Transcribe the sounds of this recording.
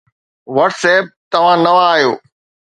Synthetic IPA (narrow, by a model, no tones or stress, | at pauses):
ʋɐʈsɛːp̚t̪ɐʋ̤ãnɐʋãːɦjoː